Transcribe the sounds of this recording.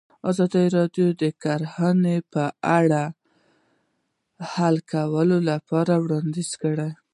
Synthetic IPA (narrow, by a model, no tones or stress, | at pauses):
ɑzɑd̪əɾɑɖjod̪əkaɾhanepəaɽa | halkʰawəlolapɑɾawɽɑnd̪iz̥kəɽaj